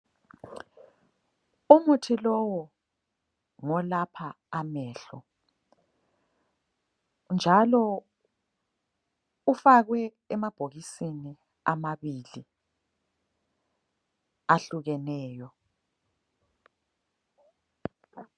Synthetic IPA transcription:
umutʰilɔwɔ | ŋɔlapʰaː | mɛːɬɔ̰ | nd͡ʒʱalɔ | ufaɣwɛː | mab̥ʱoɣisini | a̰maβiːli | aɬuɣɛnɛːjɔ

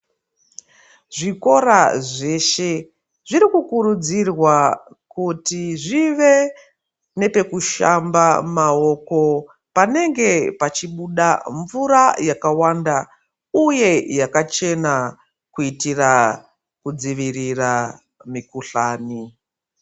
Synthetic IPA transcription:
ʐiko̞ɾaʐe̞ʃe̞ | ʐiɾikukuɾud͡zirwa | kutiʐiʋe̞ | ne̞pe̞kuʃambamao̞ko̞ | pane̞ŋɡe̞pat͡ʃiɓuɗaɱvuɾajakawanda | uje̞jakat͡ʃe̞na | kuitira | kud͡ziʋirira | mikuɬaːni

